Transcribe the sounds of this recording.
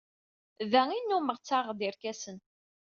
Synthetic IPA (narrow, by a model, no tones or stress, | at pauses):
ðæŋinːuməʁt͡sːaʁd̪iɾkæsən